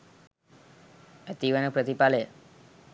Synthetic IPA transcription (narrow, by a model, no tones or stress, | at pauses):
ət̪iʋənəpɾət̪ipale